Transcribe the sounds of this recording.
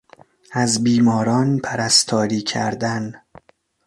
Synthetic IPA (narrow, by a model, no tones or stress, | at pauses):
æzbiːmɒːɾɒːnpʰæɾæst̪ʰɒːɾiːkʰæɾd̪æn